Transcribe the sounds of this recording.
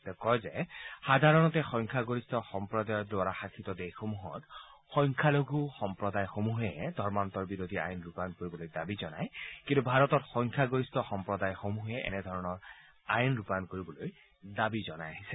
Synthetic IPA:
tɛkɔjzɛxadʱaɹɔnɔtɛxɔjŋkʰaɡoɹistʰɔxɔmpɹɔdajɔdʊaɹaxakʰitɔdexomuɦɔ̰t | xɔjŋkʰaloɡuxɔmpɹɔdajxomuɦɛdʱɔɹmantɔɹbiɹodʱia̰jnɹupankoɹibɔlojdabizɔnajkĩntubʱaɹɔtɔtxɔŋkʰaɡoɹistɔxɔmpɹɔdajxomuɦɛʔɛ̰nɛdʱɔɹɔnɔɹ | ajnɹupankoɹibɔloj | dabizɔnajaɦisɛ̥

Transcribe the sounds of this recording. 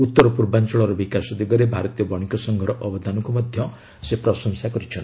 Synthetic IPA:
ut̪ːɔɾɔpuɾbant͡ʃɔɭɔɾɔbikasɔd̪iɡɔɾebʱaɾɔt̪ijɔbɔɽ̃ikɔsɔŋɡʱɔɾɔʔɔbɔd̪ʱanɔŋkumɔd̪ʱjɔ | sepɾɔsɔŋsakɔɾit͡ʃʰɔn

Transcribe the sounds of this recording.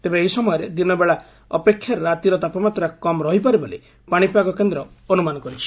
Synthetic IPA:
t̪ebeeisɔmɔjɔɾed̪inɔbeɭa | ɔpekʰːjaɾɔɾat̪iɾɔt̪apɔmat̪ɾakɔmɔɾɔɦipaɾibole | paɽ̃ipakɔkend̪ɾɔonumanɔkɔɾit͡ʃʰi̥

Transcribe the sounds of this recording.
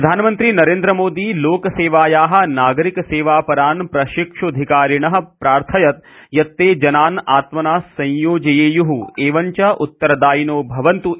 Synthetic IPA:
ɾɐd̪ʱaːnɐmɐnt̪ɾiːnɐɾẽːnd̪ɾɐmoːd̪iːloːkɐseːʋaːjaːɦɐ̆naːɡɐɾikɐseːʋaːpɐɾaːnpɾɐʃikʂuɐd̪ʱikaːɾiɳɐɦɐ̆pɾaːɾt̪ʰɐjɐt̪̚jɐt̪ːeːd͡ʒɐnaːnaːt̪mɐnaːsɐ̃jjoːd͡ʒɐjeːjuɦueːʋɐɲt͡ʃɐʔut̪ːɐɾɐd̪aːjinoːbʱɐʋɐnt̪u

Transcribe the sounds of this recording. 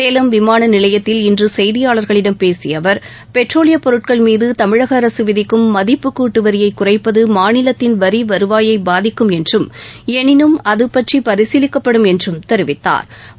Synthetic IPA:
eːlɐmʋɪmaːnɐnɪlɐjɐt̪ːɪlɪndrɯsɛjðɪjaːɭɐɾɣɐɭɪɽɐmpeːsɪjɐʋɐɾ | pɛʈroːlɪjɐpɔɾɯʈ̚kɐɭmiːðɯt̪ɐmɪɻɐɣɐːɾɐsɯʋɪðɪkːɯmːɐðɪpːɯkːuːʈːɯʋɐɾɪjɐɪkːʊrɐɪpːɐðɯmaːnɪlɐt̪ːɪnʋɐɾiʋɐɾɯʋaːjɐɪbaːðɪkːɯmɛndrɯmɛnɪnɯmɐðɯpːɐʈripɐɾɪsilɪkːɐpːɐɽɯmɛndrɯmt̪ɛɾɯʋɪt̪ːa̰ːɾ

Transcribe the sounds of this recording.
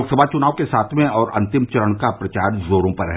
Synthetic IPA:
oːksəbʱat͡ʃʊnaːʋkesaːt̪ʰmẽɔːɾʔɐ̰̃nt̪ɪmt͡ʃɐɾəɳ̃kapɾɐt͡ʃaːɾzoːɾõpɐɾɦɛ̰

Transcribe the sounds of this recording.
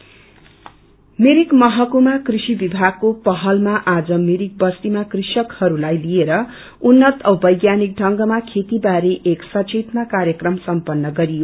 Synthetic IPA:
meɾikmʌɦʌkumakrisibibʱaɡ̚kopʌɦʌlmaʔad͡zʌmiɾik̚bʌst̪imakrisʌkhʌɾulajlijeɾʌ | unːʌt̪ʌbʌjɡjanik̚ɖʱʌŋɡʌmakʰet̪ibaɾeʔeksʌt͡ʃet̪makarjʌkrʌmsʌmpʌnːʌɡʌɾijo

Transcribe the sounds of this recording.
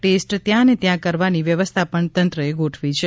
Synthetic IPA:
ʈesʈt̪jãnet̪jãkəɾʋaniʋjəʋəst̪ʰapəɳt̪ənt̪ɾəeɡoʈʰʋit͡ʃʰe

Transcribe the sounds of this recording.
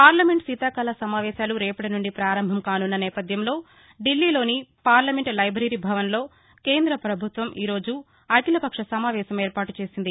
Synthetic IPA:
paːɾlɐme̞ɳʈsit̪aːkɐlɐsɐmaːʋɛːʃaːluɾɛːpɐʈinuɳɖipɾaːɾɐmbʱɐmkaːnunːɐnɛːpɐd̪ʱjɐmlo̞ː | ɖilːiːlo̞ːnipaːɾlɐme̞ɳʈlɐjbɾɐɾiːbʱɐʋɐnlo̞ː | keːnd̪ɾɐpɾɐbʱut̪ʋɐmʔḭːɾo̞ːd͡ʒu | ɐʈilɐpɐkʂɐsɐmaːʋɛːʃɐmeːɾpaːʈut͡ʃe̞ːsind̪i

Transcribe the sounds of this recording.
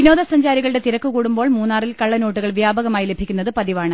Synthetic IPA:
ino̞ːðɐsɐɲd͡ʑaːɾiɣɐɭɨɽe̞t̪iɾɐkːukuːɽumbo̞ːɭmuːnːaːrilkɐɭːɐnoːʈːuɣɐɭʋjaːbɐɣɐmaːjile̞bʱikʲːunːɐðɨpɐðiʋaːɳɨ

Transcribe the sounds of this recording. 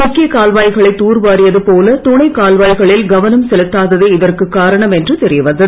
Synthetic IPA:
mʊkːɪjɐkaːlʋaːjɣɐɭɐɪt̪ːuːrʋaːɾɪjɐðɯpoːlɐt̪ʊːɳɐɪkaːlʋaːjɣɐɭɪlɡɐʋɐnɐmsɛlɯt̪ːaːðɐðeːɪðɐrkɯkːaːɾɐɳɐmɛndrɯt̪ɛɾɪjɐʋɐnd̪ɐðɯ

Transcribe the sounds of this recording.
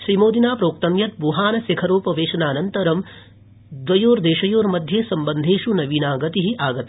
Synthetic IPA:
ʃɾimoːd̪inaːpɾoːk̚t̪ɐmjɐt̪̚buːɦaːnɐsekʰɐɾoːpɐʋeːʃɐnaːnɐnt̪ɐɾɐm | d̪ʋɐjoːɾd̪eːʃɐjoːɾmɐd̪ʱjeːsɐmbɐnd̪ʱeːʃunɐʋiːnaːɡɐt̪iɦiʔaːɡɐt̪i

